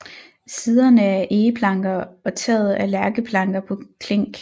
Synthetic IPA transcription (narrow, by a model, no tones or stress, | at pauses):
siːð̞ˠɐnəæɐʔeːəpʰlɑ̈ŋɡ̥ɐɒ̽t͡sʰɛ̰ːð̩ˠælæɐɡ̥əpʰlɑ̈ŋɡ̥ɐpʰɒ̽kʰleŋ̰ɡ̥